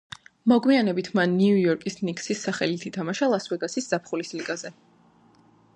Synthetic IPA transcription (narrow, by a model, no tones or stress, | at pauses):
mɔɡwmianɛbit̪ʰmanːiujɔɾkʼisnikʼsisːaχɛlit̪ʰit̪ʰamaʃalˠaswɛɡasisz̥apʰχulisliɡazɛ